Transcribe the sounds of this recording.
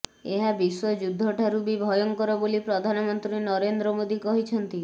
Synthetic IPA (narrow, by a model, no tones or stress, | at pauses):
eɦabiswɔd͡ʒud̪ʱːɔʈʰaɾubibʱɔjɔŋkɔɾɔbolipɾɔd̪ʱanɔmɔnt̪ɾinɔɾend̪ɾɔmod̪ikɔɦit͡ʃʰɔnt̪i